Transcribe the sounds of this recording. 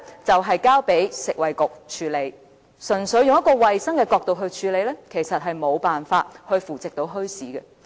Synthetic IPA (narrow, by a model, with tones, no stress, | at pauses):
t͡sɐ˨wɦɐ˨jkaː˥wpe˨˥jsɪ˨k̚wɐ˨jkʊ˨k̚t͡ʃʰyː˨˥le˨˧j | sɵ˨˩nsɵ˨˧˥ɥjʊ˨ŋjɐ˥t̚kɔː˧wɐ˨jsɐ˥ŋkɛː˧kɔː˧k̚t̪o˨wɦɵ˧ɥt͡ʃʰyː˨˧le˨˧jlɛː˥kʰe˨˩jsɐ˨t̚ɦɐ˨jmo˨˧wpaː˨nfaː˧t̚hɵ˧ɥfuː˨˩t͡sɪ˨k̚t̪o˨˥wɦɵ˥ɥsiː˨˥ɡɛ˧